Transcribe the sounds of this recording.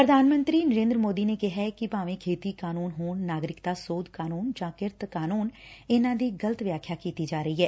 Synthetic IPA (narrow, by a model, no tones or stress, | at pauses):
pɾəd̪ʱaːnmə̃nt̪ɾiːnəɾẽːnd̪ɾəmoːd̪iːneːkɪɦɛːkɪpaːʋĩːkʰeːt̪iːkaːnuːnɦoːnːaːɡɾɪkt̪aːsoːd̪kaːnuːnd͡ʒãːkɪɾt̪kaːnuːnɪnãːd̪iːɡələt̪ʋjaːkʰjaːkiːt̪iːd͡ʒaːɾəiːɦɛː